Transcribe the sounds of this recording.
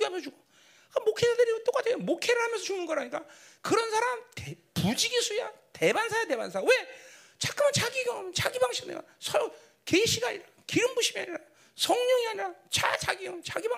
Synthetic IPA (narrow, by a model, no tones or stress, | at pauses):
iamʌnsʰʌuɡo | kmokʰeadɯɾit͈ok͈adwejomokʰeɾɯɭɦamjʌnsʰʌt͡ɕuŋɯnɡʌɦaɲik͈akɯɾʌnsʰaɾamtepud͡ʑiɡisʰujate̞bansʰajate̞bansʰawe | t͡ɕak͈ɯmʌnt͡ɕaɡiɡomʌnt͡ɕaɡibaŋɕʰinḛɡa̰sʰʌ | keiɕʰiɡaɲiɾa | kiɾɯmbuɕʰimia̰ɲiɾa | sʰʌŋɲʌŋiɦaɲiɾat͡ɕa̰t͡ɕa̰ɡiet͡ɕaɡiba